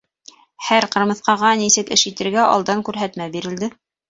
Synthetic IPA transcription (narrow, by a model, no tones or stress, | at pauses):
hæɾqɤ̆ɾmɤ̆θqɑʁɑnisɘkɘʃjit̪ɘ̆ɾɡæʔɑ̰lˠd̪ɑŋkʉɾɦæt̪mæbiɾɘ̆ld̪ɘ